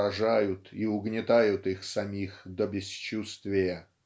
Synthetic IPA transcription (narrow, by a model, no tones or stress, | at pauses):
ɐʐajʊt̪iʊɡnʲɪt̪ajʊt̪ixsɐmʲixd̪əbʲɪst͡ɕust̪vʲɪjə